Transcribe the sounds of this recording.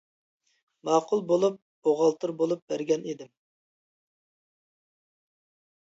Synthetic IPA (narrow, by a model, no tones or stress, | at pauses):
mɑːqʊlˠbolˠup̚ | oʁɑlˠt̪ʰɨɾbolˠup̚bæɾɡʲɛned̪ɪm